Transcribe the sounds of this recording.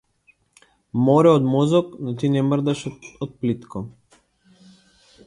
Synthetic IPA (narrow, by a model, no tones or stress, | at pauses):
mɔɾɛɔd̪mɔzɔknɔt̪inɛmrd̪aʃɔt̪̚plit̪kɔ